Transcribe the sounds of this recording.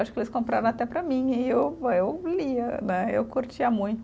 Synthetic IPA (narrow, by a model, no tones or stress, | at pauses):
aʃʊ̥kelɪskõmpɾa̰ɾɐ̃at̪ɛpɾɐmĩɪewewliɐnɛewkoɾt͡ʃiɐmũj̃t̪ʊ